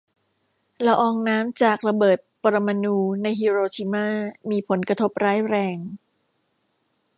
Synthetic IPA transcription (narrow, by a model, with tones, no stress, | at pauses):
la˧ʔɔː˧ŋnaː˦˥mt͡ɕaː˨˩k̚la˧bɤː˨˩t̪̚pa˧ɾa˧ma˧nuː˧na˧jɦiː˧ɾoː˧t͡ɕʰi˧maː˥˩miː˧pʰo˩˦nkɾa˧t̪ʰo˦˥p̚ɾaː˦˥jɾɛː˧ŋ